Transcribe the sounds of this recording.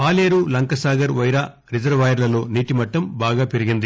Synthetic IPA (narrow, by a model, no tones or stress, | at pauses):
paːleːɾulɐŋkɐsaːɡɐɾʋɐjɾaː | ɾid͡ʒɐɾʋaːjɐɾlɐlo̞ːniːʈimɐʈːɐmbaːɡaːpeɾiɡind̪i